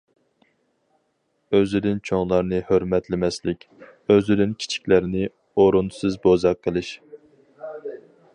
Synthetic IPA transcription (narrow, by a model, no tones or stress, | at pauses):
øzyd̪ɪnt͡ʃʰoŋlˠɑɾnɨhøɾmɛt̪lɪmɛslɪkʲ | øzyd̪ɪnkʲʰi̥t͡ʃʰi̥kʲlæɾɪnɪ | oɾunsɨzbozɑqʰːəlˠɨʃ